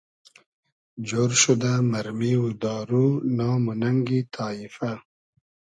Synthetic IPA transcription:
d͡ʒoːɾʃud̪amaɾmiwud̪ɑːɾunɑːmunaŋɡit̪ʰɑːifa

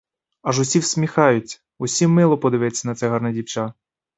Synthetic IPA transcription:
ɐʒʊsʲiwsʲmʲixɑjʊt͡sʲɐ̥ | ʊsʲimːɪlˠɔpɔd̪ɪʋɛt͡sʲːɐnɐt̪sɛɦɑrnɛdʲiwt͡ʃa

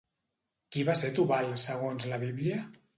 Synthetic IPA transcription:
kiβaset̪uβalsəɣonzləβiβliə

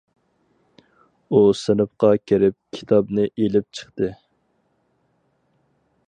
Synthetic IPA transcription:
usɪnɨpqɑkʲʰeɾɪp̚kʲʰi̥t̪ʰɑbnɪʔelɪp̚t͡ʃʰə̥χt̪ɨ

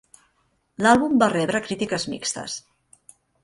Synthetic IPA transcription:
lalˠβumbarɛβɾəkɾit̪ikəzmḭkst̪ə̰s

